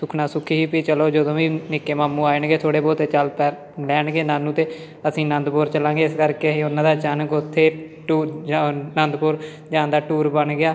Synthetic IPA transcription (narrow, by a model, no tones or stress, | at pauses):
sʊkʰnaːsʊkʰːiːɦiːpiːt͡ʃəloːd͡ʒəd̪õːʋiːnɪkːeːmaːmːũːaːɪɳɡeːt̪ʰoːɽeːboːt̪ːeːt͡ʃəlpɛː | lɛːɳɡeːnaːnːũːt̪eː | əsĩːnə̃nd̪poːɾt͡ʃəlãːɡeːɪskəɾkeːəsĩːʊnːãːd̪aːt͡ʃaːnkʊt̪ʰːeː | ʈuːnənd̪poːɾ | d͡ʒãːnd̪aːʈuːɾbəɳɡɪaː